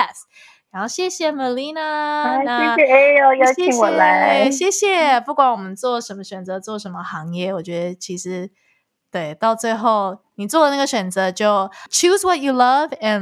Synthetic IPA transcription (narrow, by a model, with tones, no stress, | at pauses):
a˧˩s | ɻa˧˥nxo˥˧ʊɕjɛ˥˩ɕjɛ˨mə˨li˥na˧˥˧aɛ˥˧ɕjɛ˨e˥o˧˩jɑ˥˩jʰɛ˥˧i˧wɔ˧˩la˧˦˥ɪɕjɛ˥˧ɕjɛ˨˩pu˥˩kwa˧˩˦nwɔ˨˩mə˦nt͡swɔ˥˩ʂə˧˥nmə˧ɕɥɛ˨˩nt͡sɤ˧˥t͡swɔ˥˩ʂə˧˥nmə˧xɑ˧˥ŋjɛ˥˩wɔ˨˩t͡ɕɥɛ˧˦˥d̪ə˧t͡ɕʰi˧˥ʂɻ̩˧˥˦ | t̪we˥˩ɪt̪ɑ˥˧ʊt͡swe˥˧ɪxo˥˩ʊni˨˩t͡swɔ˥˩lə˨˩na˥˩ɡə˩ɕɥɛ˨˩nt͡sɤ˧˦t͡ɕjo˥˩ʊt͡ʃʰu˥zwɔ˨˩tu˨lʌ˦vɛ̃˨n